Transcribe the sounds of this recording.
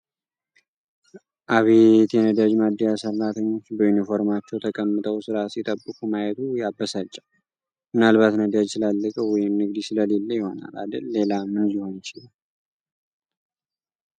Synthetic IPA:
ʔaβet̪jɛnəd̪ad͡ʒmad̪ːijasərːat̪ʰəɲːo̞t͡ʃːbəjunifo̞ɾmat͡ʃːɛwt̪ʰəkʼəmːɨt̪ʰʼəwsɨɾasit̪ʼəbːɨkʰumajɛt̪ʰujabːəsat͡ʃʼːa | mɨnalβat̪nəd̪ad͡ʒsɨlalːəkʼəwɔjɪmnɨɡd̪isɨləlelːəjɪho̞na̰la̰d̪əlːe̞lamɨnliho̞njɪt͡ʃɪl

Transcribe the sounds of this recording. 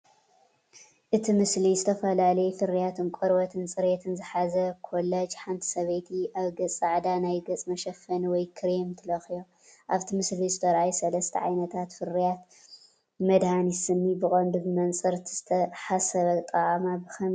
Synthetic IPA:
ʔɨt̪ʰimɨslizɨt̪ʰɐfɐlalɐjɛfɨɾijat̪ʰɨnkʷʼɔɾbɐt̪ʰɨnsʼɨɾet̪ʰɨnzɨħazɐkʰolːɐd͡ʒħant̪ʰi̥sɐβɐjt̪ʰiʔaβɡɐt͡sʼːaʕd̪anajɡɐt͡sʼmɐʃɐfɐniwɔjkʰɨɾemt̪ʰɨlɐxjo | ʔaβt̪ʰimɨslizɨt̪ʰɐɾajisɐlɐst̪ʰɐ̰ʕa̰jnɐt̪ʰat̪fɨrijat̪ | mɐd̪hanisɨnːibɨkʼɐnd̪ubɨmɐnt͡sʼɨɾt̪ʰizɨt̪ʰɐħasɐβɐt̪ʼɐʔʼmabɨxɐm

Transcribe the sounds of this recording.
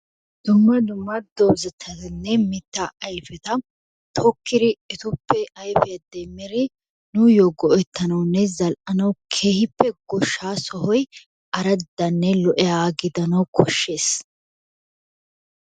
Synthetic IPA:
d̪̥ʊmːɐd̪ʊmːɐd̪ɔbzɐt̪ʰːɐt̪ɪnːɛmɪt̪ːaʔɐjfɛt̪ɐ | t̪ʰɔkːɪɾɪɪt̪ʊpːɛʔɐjfɛjɐd̪ɛmːɪɾɪ | nʊjoɡɔʔɛt̪ːɐnɐwnːɛzɐlʔɐnɐwkʰeːhɪpːɛɡɔʃːaːsɔhɔj | ʔɐɾɐd̪ːɐnːɛlɔʔɛaːɡɪd̪ɐnɐwkʰɔʃːe̞ːs

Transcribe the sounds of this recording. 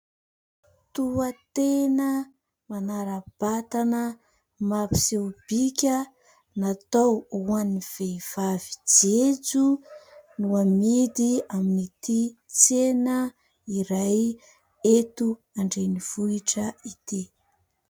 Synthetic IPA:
t̪uat̪enə | manaɾab̥at̪anə | mapi̥sewb̥ikʲə | nat̪owuaniv̥eiv̥avid͡ʒet͡su | nuamid̪iaminit̪it͡senə | iɾaj | et̪u | aɳɖ͡ʐeniv̥uiʈ͡ʂəit̪i

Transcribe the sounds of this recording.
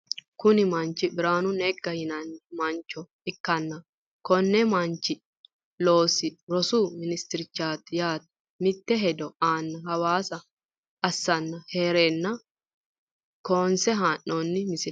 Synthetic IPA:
kʊnɪmɐnt͡ʃːɪbɪɾaːnʊnɛɡːɐhɪnɐnːɪmɐnt͡ʃːɔ | ɪkːɐnːɐ | kɔnːɛmɐnt͡ʃːɪ | lo̞ːsɪɾɔsumɪnɪst̪ɪɾɪt͡ʃːaːt̪ːɪjaːt̪ | mɪt̪ːɛɦɛd̪ɔaːnːɐɦɐwaːsɐ | ɐsːɐnːɐheːɾenːɐ | koːnsɛɦaːʔːɔnːɪmɪsɪ

